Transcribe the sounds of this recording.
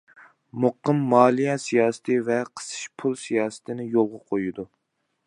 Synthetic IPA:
moqːəmːɑːlˠijɛsijɑːsɨ̥t̪ʰɨvɛqʰə̥sɨ̥ʃpʰulˠsijɑːsɨ̥t̪ʰɪnɪjolˠʁɑqʰojid̪u

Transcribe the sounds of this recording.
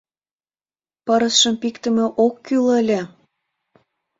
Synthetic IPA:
pəɾəsʃəmpikt̪ə̆mĕʔokːyləlʲĕ

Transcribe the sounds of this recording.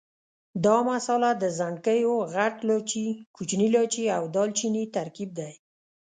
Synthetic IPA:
d̪ɑmasɑlad̪əzaɳɖkəjoɣaʈlɑt͡ʃikut͡ʃnilɑt͡ʃiawd̪ɑlt͡ʃinit̪aɾkib̚d̪aj

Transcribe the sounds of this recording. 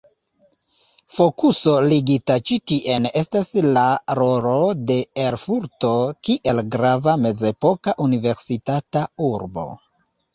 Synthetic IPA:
fo̞kuso̞liɡitat͡ʃitiʔe̞ne̞staslaɾo̞ɾo̞de̞eɾfuɾto̞kiʔe̞lɡɾavame̞d͡ze̞po̞kaʔunive̞ɾsitatauɾbo̞̰

